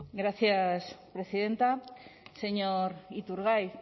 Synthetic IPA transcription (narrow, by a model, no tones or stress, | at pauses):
ɡɾaθjaspɾe̞siðent̪ase̞ɲoɾit̪uɾɣaj